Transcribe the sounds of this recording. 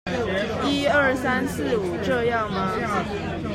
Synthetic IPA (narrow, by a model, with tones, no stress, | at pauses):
i˥ə˞˥˩sa˥nsɹ̩˥˩u˨˩ʈ͡ʂɤ˥˧jɑ˥˩ŋmɐ˦